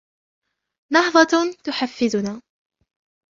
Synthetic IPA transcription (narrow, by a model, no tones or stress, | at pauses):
nɑhðˤɑt̪ʊħafːɪðʊnaː